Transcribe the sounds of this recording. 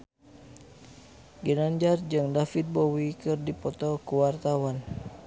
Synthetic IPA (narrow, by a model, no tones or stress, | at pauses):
ɡinaɲd͡ʒard͡ʒɨŋdafit̪̚bowikɨrdipɔt̪ɔkuwart̪awan